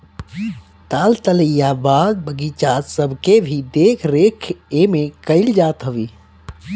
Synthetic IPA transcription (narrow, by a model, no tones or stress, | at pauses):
t̪alt̪ələjabaːd̪̚bʱəɡit͡ʃad̪səbʱkebʱid̪ekʰɾekʰemekəɪld͡ʒaːt̪ɦəʋiː